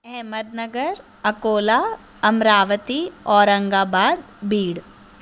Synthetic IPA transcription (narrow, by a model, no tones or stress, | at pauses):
ɛɦməd̪̚nɐɡəɾ | ɐkoːlaː | ɐmɾaːʋət̪iɔːɾɐ̃ŋɡaːbaːd̪ | biːɽ